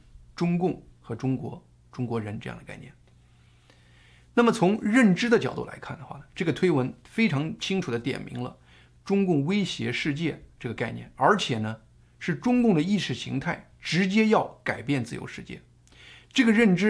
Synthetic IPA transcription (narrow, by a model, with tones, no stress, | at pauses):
ʈ͡ʂʊ˥ŋkʊ˥˩ŋxɤ˧˥ʈ͡ʂʊ˥ŋkwɔ̰˧˥ | ʈ͡ʂʊ˥ŋkwɔ˧˥ɻə˧˥nʈ͡ʂɤ˥˧jɑ̰˥˩ŋd̪ə˩ka˥ɪnjɛ̰˥˩n | na˥˩mə˩t͡sʰʊ˧˥ŋɻə˥˩nʈ͡ʂɻ̩˥d̪ə˨t͡ɕjɑ˨˩ʊt̪ṵ˥˩la̰˧˥ɪkʰa˥˩nd̪ə˩xwa̰˥˩nə˩ʈ͡ʂɤ˥˩ɡə˩t̪ʰwe˥ɪwə˧˥nfe˥ɪʈ͡ʂʰɑ˧˥ŋt͡ɕʰi˥ŋʈ͡ʂʰu˨˩d̪ə˦t̪jɛ̰˨˩nmḭ˧˥ŋlə̰˧ | ʈ͡ʂʊ˥ŋkʊ˥˩ŋwe˥ɪɕjɛ˧˥ʂɻ̩˥˧t͡ɕjɛ˥˧ʈ͡ʂɤ˥˩ɡə˩ka˥˧ɪnjɛ̰˥˩nə˞˧˥t͡ɕʰjɛ˨˩nə˦ | ʂɻ̩˥˩ʈ͡ʂʊ˥ŋkʊ˥˩ŋd̪ə˩i˥˧ʂɻ̩˥˩ɕḭ˧˥ŋt̪ʰa˥˩ɪ | ʈ͡ʂɻ̩˧˥t͡ɕjɛ˥jɑ˥˩ʊka˨˩ɪpjɛ˥˧nt͡sɹ̩˥˩jo̰˧˥ʊʂɻ̩˥˧t͡ɕjɛ̰˥˩ | ʈ͡ʂɤ˥˩ɡə˩ɻə˥˩nʈ͡ʂɻ̩˥